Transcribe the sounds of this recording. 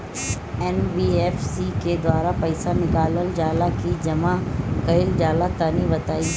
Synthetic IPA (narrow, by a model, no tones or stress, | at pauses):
ɛnbiːɛːfsiked̪waːɾapɐɪsanɪkaːləld͡ʒaːlakid͡ʒɐmakɐɪld͡ʒaːlat̪aːnibɐt̪aːiː